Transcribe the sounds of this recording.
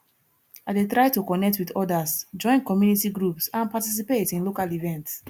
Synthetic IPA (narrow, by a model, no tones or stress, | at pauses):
aɪdetɹaɪtukɔnɛk̚twidɔdasd͡ʒɔ̃ɪ̃nkɔmjunitiɡɹupsãnpatis̬ipetĩnlokalivɛ̃nts